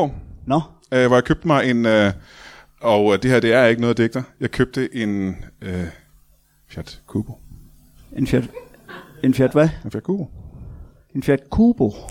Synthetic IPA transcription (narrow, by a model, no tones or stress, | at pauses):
nɔ | ʋɒjɑ̈kʰøb̥̚d̥əmɑ̈ɪe̝n | ɒ̽ʊd̥e̝heɐ̰d̥e̝æɐje̝ɡ̥nɔ̽ːðˠd̥eɡ̥d̥ɐjɑ̈ɪkʰøb̥̚d̥əʔe̝n | fjæd̥kʰuːb̥o | enfjæd̥ | enfjæɐd̥ʋæenfjæɐ̥kʰuːb̥o | enfjæd̥kʰuːb̥o